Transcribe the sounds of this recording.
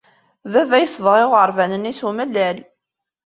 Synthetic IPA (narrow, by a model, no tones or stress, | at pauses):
vævæjəsˤvʁɪʁəɾˤvænənisumælːæl